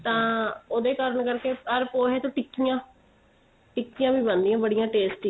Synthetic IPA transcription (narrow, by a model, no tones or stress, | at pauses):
t̪ãːoːd̪eːkəɾəɳkəɾkeːəɾpoːɦeːt̪õːʈɪkːijãː | ʈɪkːijãːbiːbənd̪iːãːbəɽijãːʈeːsʈiː